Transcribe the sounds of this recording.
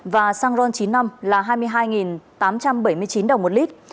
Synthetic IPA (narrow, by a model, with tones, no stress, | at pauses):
vaː˨˩saː˧ŋzɔ˧nt͡ɕi˨˦nːa˧mlaː˨˩ɦaː˧jmɨ˧əjɦaː˧jŋi˨˩nt̪aː˨˦mt͡ɕa˧mɓə˧˩jmɨ˧əjt͡ɕi˨˦nɗə˨˩wŋ͡mmo˨˩t̚li˦˥t̚